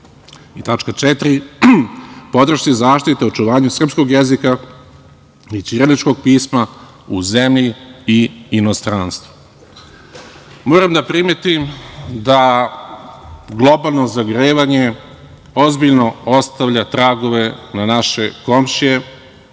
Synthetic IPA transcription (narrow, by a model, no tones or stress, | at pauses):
it̪at͡ʃkat͡ʃɛt̪ɾi | po̞d̪r̩ʃizaːʃt̪it̪eot͡ʃuʋaːɲusr̩psko̞ɡjezika | it͡ʃ̪iɾelit͡ʃko̞ɡ̚piːsma | uzemʎiiːno̞st̪ɾanst̪ʋu | moːɾamd̪apɾimet̪imd̪a | ɡlˠo̞balˠno̞zaɡɾeːʋaɲe | o̞zbiʎnoo̞st̪aʋʎat̪ɾaːɡo̞ʋe̞nanaʃe̞ko̞mʃije